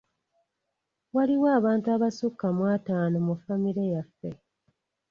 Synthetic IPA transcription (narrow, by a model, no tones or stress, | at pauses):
waliwaːβaːntuaβasukːamwaːtaːnomufamiɾejafe